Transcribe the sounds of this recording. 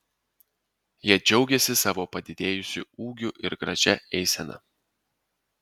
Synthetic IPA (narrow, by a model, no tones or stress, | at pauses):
jiɛd͡ʒʲɛʊɡʲɛsʲɪsɑːʋoːpɐd̪ʲɪd̪ʲeːjʊsʲʊuːɡʲʊʔɪɾɡɾɐ̰ʒʲɛɛɪsʲɛnɐ̰